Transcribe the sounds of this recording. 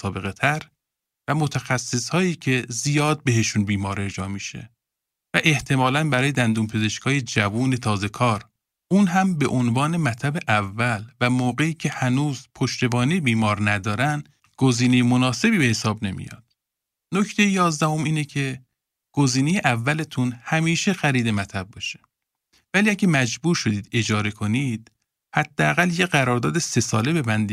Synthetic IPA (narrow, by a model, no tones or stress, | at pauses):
sɒːbe̞ɣe̞t̪ʰæɾ | væmot̪ʰæxæsːishɒːjiːcʰe̞zijɒːd̪̚be̞ɦe̞ʃunbiːmɒːɾe̞ɾd͡ʒɒːmiʃḛ | væʔe̞ht̪ʰe̞mɒːlænbæɾɒːjed̪ænd̪uːmpʰeze̞ʃkʰɒːje̞d͡ʒævuːne̞t̪ʰɒːze̞kʰɒːɾ | unɦæmbe̞ʔonvɒːne̞mæt̪ʰlæbe̞ʔævːælvæmoːɣe̞iːcʰe̞hænuːzpʰoʃt̪e̞bɒːnejebiːmɒːɾnæd̪ɒːɾænd̪ | ɡ̥oziːne̞jemonɒːse̞biːbe̞hesɒːbne̞mḭjɒ̰d̪̥ | nocʰt̪ʰe̞jejɒːzd̪æho̞miːnecʰe̞ | ɡ̥oziːnejeʔævːælet̪ʰunhæmiːʃe̞xæɾiːd̪e̞mæt̪ʰæb̚ːɒʃe̥ | væliːæɟʲemæd͡ʒbuːɾʃo̞d̪iːd̪e̞d͡ʒɒːɾe̞kʰo̞niːd̪̥̚ | hæd̪̥ːeæɣæljeɣæɾɒːɾd̪ɒːd̪e̞se̞sɒːle̞be̞bænd̪i